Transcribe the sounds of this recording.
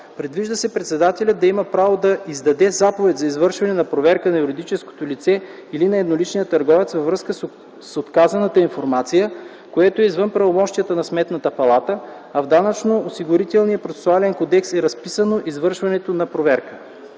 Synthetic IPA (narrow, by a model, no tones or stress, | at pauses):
pɾɛd̪viʒd̪əsɛpɾɛt̪sɛd̪at̪ɛlʲət̪d̪ɐimɐpɾavod̪ɐizd̪ɐd̪ɛzapovɛt̪ʲzɐizvɤɾʃvɐnɛnɐpɾovɛɾkənɐjuɾid̪it͡ʃɛsko̥t̪olit̪sɛ | ilinɐɛd̪nolit͡ʃnijət̪ɐɾɡɔvɛt̪svɐvɾɤskəs | sot̪kazɐnət̪əinfoɾmat̪sijə | koɛt̪oɛizvɤnpɾɐvomɔʃt̪ijət̪ənɐsmɛt̪nət̪əpɐlˠat̪ə | ɐvd̪anɐt͡ʃnoːsiɡʊɾit̪ɛlˠnijəpɾot̪sɛ̥sʊalɛnkod̪ɛksɛɾɐspisənoʔizvɤɾʃvɐnɛt̪onɐpɾovɛɾkə̥